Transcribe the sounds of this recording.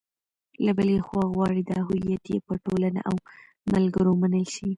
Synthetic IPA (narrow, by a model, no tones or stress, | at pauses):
labəlexwɑɣwɑɽid̪əaɦijat̪jḛpəʈolana̰ʔaw | malɡəɾomanəlʃi